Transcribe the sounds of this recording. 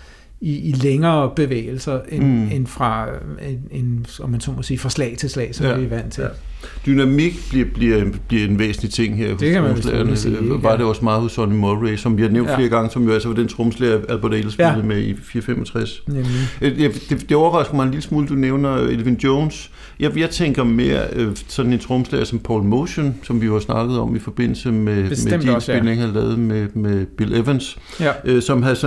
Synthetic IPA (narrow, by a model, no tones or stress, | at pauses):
iileŋɐːb̥e̝ʋḛːl̩sɐenenfʁɑ̈eenɒmːænsɔ̰ːmɒsiːfʁɑ̈slɛ̰ːɪt͡sʰe̝lslɛ̰ːsɒmʋiʋæn̰t͡sʰe̝ | d̥ynæmiɡ̥b̥liɐb̥liɐb̥liɐe̝nʋḛːsn̩lit͡sʰe̝ŋ̰ɦeɐ̰ho̥æmslḛɐnəʋɑ̈deɒ̽smɑ̈ːðˠhosɒnimɔlʁesɒ̽mʋihɑ̈neʊnd̥fle̝ːɐɡ̥ɑ̈ŋəsɒ̽mjo̝ælsɐʋɑ̈d̥ent͡sʰʁɔmsleæðˠb̥ɒɾelsbelð̩ˠmeifiːɐfemɒ̽t͡sʰʁas | jd̥e̝d̥e̝ɒʊɐʁɑ̈sɡ̥ð̩ˠmɑ̈ɪe̝nliləsmuːld̥uneʊnɐelʋind̥joʊns | jɑjɑɪt͡sʰeŋ̰ɡ̥ɐme̝ːɐ̰øsɒ̽d̥n̩e̝nt͡sʰʁɔmslæːɐsɒ̽mpʰɒ̰ːlmoʊɕonsɒ̽mʋihɑsnɑ̈ɡ̥ð̞̩ˠɒ̽mifɒ̽b̥e̝n̰l̩səmeme̥inse̝lne̝ŋhælɛːʊð̩ˠmemeb̥ileʋəns | øsɒ̽mɦæðˠs